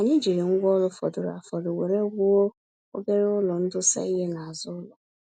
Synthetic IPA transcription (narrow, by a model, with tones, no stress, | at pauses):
a˨ɲɪ˦d͡ʒi˨ɾe˨ŋ̩˦ɡʷɔ˦lʊ˦fɔ˨dʊ˨ɾʊ˨a̰˨fɔ˨dʊ˨we˨ɾe˦ɡʷu˦o˦ | o̰˦ɡe˦ɾe˦ʊ˦lʊ˨n̩˦dʊ˦sa̰˦i˦ɦe˦na˨a˨zʊ˦ʊ˦lʊ˨